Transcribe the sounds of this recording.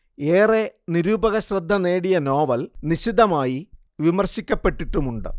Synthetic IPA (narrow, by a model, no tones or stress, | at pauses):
eːreniɾuːbɐɣɐɕrɐd̪ʱːɐneːɽijɐno̞ːʋɐlniɕid̪ʱɐmaːji | ʋimɐrɕikʲːɐpːe̞ʈːiʈːumuɳɖɨ̰